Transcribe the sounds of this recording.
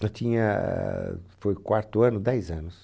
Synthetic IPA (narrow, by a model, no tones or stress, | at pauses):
ɐ̃t̪ĩɲɐ̰ | fojkwaɾt̪ʊɐ̃nʊd̪ɛjzɐ̃nʊs